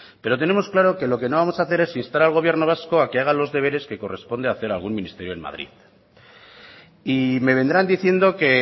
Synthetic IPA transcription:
pe̞ɾo̞t̪e̞ne̞mo̞sklaɾo̞ke̞lo̞ke̞noβamo̞saθe̞ɾesinst̪aɾalɣ̞o̞β̞je̞ɾno̞β̞asko̞akeaɣ̞alo̞zðe̞β̞e̞ɾe̞ske̞ko̞re̞spo̞nd̪eaːθe̞ɾalɣ̞unmĩnist̪e̞ɾjo̞enma̰ðɾḭð | ime̞β̞e̞nd̪ɾand̪iθje̞nd̪o̞ke̞

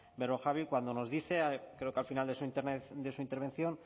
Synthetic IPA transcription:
be̞ɾo̞xaβilkwand̪o̞no̞zðiθe̞akɾe̞okealfinald̪e̞suint̪ened̪e̞suint̪eɾβe̞nθjo̞n

